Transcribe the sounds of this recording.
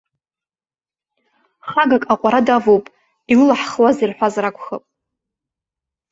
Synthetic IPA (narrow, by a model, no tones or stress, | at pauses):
χaɡakʼaqʷʼaɾadavowpʼ | ilɨlaħχwazirħʷᶣazrakʷʰχəpʼ